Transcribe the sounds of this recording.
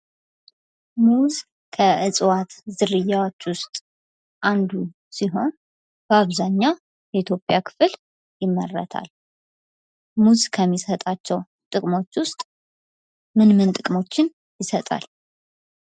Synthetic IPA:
muz | kʰəʔɨsʼwat̪zɨɾɨjːawo̞t͡ʃːwʊst̪ʼ | ʔand̪u | siɦo̞n | b̥əaβzaɲːa | jɛit̪ʰjo̞pʼjakʰɨ̥fɨl | jɪmːərːə̰t̪ʰa̰l | muzkʰəmːisət̪ʼat͡ʃːɛw | t̪ʼɨkʼmo̞t͡ʃːwʊst̪ʼ | mɨnmɨnt̪ʼɨkʼmo̞t͡ʃːɪn | jɪsət̪ʼa̰l

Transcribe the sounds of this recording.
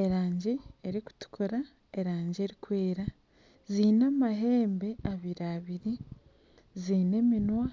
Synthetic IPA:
eɾaːɲɟeːɾiku̥tu̥kʰuɾa | eɾaːɲɟe̞ɾikwe̞ːɾa | ziːnamaɦe̞ːmbe̞aβiɾaβiɾi | ziːne̞minwa

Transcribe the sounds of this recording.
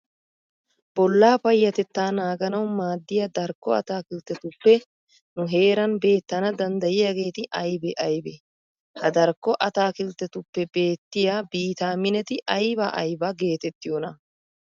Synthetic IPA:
b̥ɔlːaːpɐjːɐt̪ɛt̪ːaːnaːɡɐnɐwmaːd̪ːɪjɐd̪ɐɾkːɔɐ̰t̪aːkɪlt̪ːɛt̪ʊpːɛ | nʊɦe̞ːɾɐnbe̞ːt̪ːɐnɐd̪ɐnd̪ɐjɪjaːɡe̞ːt̪ɪʔɐjbɛʔɐjbɛ | hɐd̪ɐɾkːɔʔɐt̪aːkɪlt̪ːɛt̪ʊpːɛbe̞ːt̪ːɪjabiːt̪aːmɪnɛt̪ɪʔɐjbɐʔɐ̰jbɐɡe̞ːt̪ɛt̪ːɪjonɐ

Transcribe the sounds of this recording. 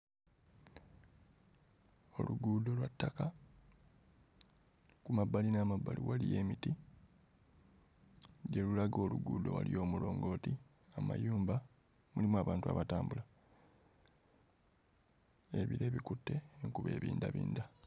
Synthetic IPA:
o̞luɡuːdo̞lwatːaka | kumabalinaːmabːalʔiwalije̞ːmiti | ɟe̞lulaɡo̞ːluɡuːdo̞̰wa̰lijo̞ːmulo̞ːŋɡo̞ːti | ama̰juːmba | mulimwaβaːntua̰βataːmbula | e̞βiɾe̞ːβikutːe̞ːŋkuβe̞ːβiːndaβḭːnda

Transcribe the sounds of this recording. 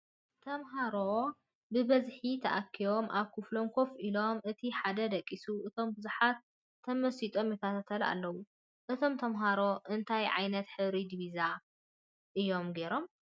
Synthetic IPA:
t̪ʰɐmɦaɾo | bɨbɐzħit̪ʰɐʔakʰːiβo̞mʔaβkʰɨflo̞mkʰo̞fʔilo̞mʔɨt̪ʰiħad̪ɐd̪ɐkʼːisuʔɨt̪ʰo̞mbɨzuħat̪ʰː | ɐmɐsit̪ʼo̞mjɛt̪ʰat̪ʰat̪ʰɐla̰lːɐwu | ʔɨt̪ʰo̞mt̪ʰɐmɦaɾo̞ʔɨnt̪ʰajʕa̰jnɐt̪ħɨβɾid̪βiza | ʔɨjːo̞mɡe̞ɾo̞m

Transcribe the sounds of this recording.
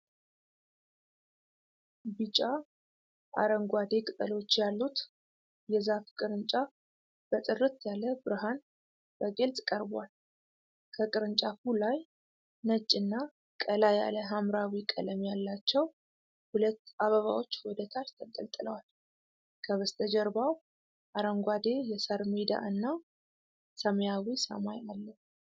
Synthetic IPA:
bɨt͡ʃʼa | ʔa̰ɾəŋɡʷad̪ekʼɨt̪ʼəlot͡ʃːjalːut̪ | jɛzafkʼɨɾɨnt͡ʃʼa | b̥ət̪ʼɨrːɨt̪jaləbɨɾɨɦan | b̥əɡelt̪ʼkʼəɾbal | kʰəkʼɨɾɨnt͡ʃʼafulaj | nət͡ʃʼːɨnːa | kʼəlaja̰ləɦamɾawikʼə̰ləmjalːat͡ʃːɛw | hulət̪ːaβəβawo̞t͡ʃːwɔd̪ət̪ʰalt̪ʰət̪ʼːə̰lt̪ʼɨləwal | kʰəβəst̪ʰəd͡ʒɛɾbaw | ʔaɾəŋɡʷad̪e̞jɛsəɾmid̪a̰ʔɨnːa | səmjawisə̰majalːə

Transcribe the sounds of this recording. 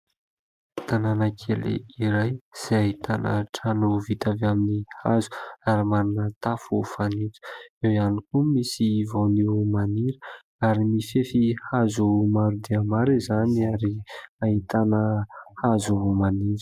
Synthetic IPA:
t̪ananəkʰelḛiɾajz̥ejaɦit̪anə̰ʈ͡ʂanuvit̪avaminihazu̥aɾimaɾunət̪afufanit͡su̥ewianikumisivoniwmaniɾə̥ | aɾimifefihazumaɾud̪iamaɾizaniaɾiaɦit̪anəhazuumaniɾə̥

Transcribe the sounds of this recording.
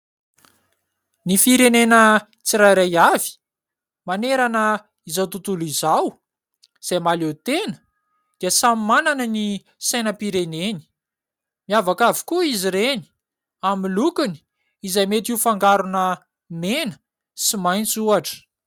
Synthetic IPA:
nifiɾenenə | t͡siɾajɾajavi̥ | maneɾanə | izawt̪ut̪ulizaw | z̥ajmalet̪enə̥ | d̪̥iəsamimananəni | sajnəpiɾeneni̥ | miavakavi̥kuiziɾeni | amilukuni̥ | izajmet̪iufaŋɡaɾunə | menə̥ | simajnt͡suaʈ͡ʂə̥

